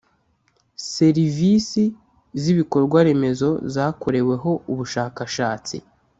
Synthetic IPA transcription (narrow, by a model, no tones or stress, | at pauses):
se̞ɾivisi | ziβiko̞ɾɡwaɾe̞me̞zo̞zaːkoɾe̞we̞ɦo̞uβuʃaːkaʃaːt͡sḭ